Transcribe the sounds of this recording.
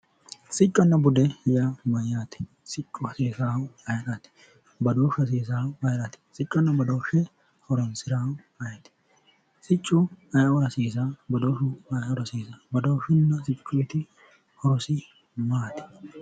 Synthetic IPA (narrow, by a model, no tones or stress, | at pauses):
sɪt͡ʃʼːɔnːɐbʊd̪ɛhɪjamɐjaːt̪ɛ̥ | sɪt͡ʃʼːʊhɐseːsaːwɐjɾɐt̪ɛ̥ | bɐd̪oːʃɐs̬eːs̬aːwɐjɾɐt̪ɛ̥sɪt͡ʃʼːɐnːɐbɐd̪owʃɛ | hɔɾɔnsɪɾamɐjɐt̪ɛ̥ | sɪt͡ʃʼːʊɐjɔɾɐsiːs̬abɐd̪oːʃʊɐjɔɾɐsiːsɐbɐd̪oːʃɪnːɐsɪt͡ʃʼːʊjt̪ɪ | hɔɾɔsɪ | maːt̪ɛ̥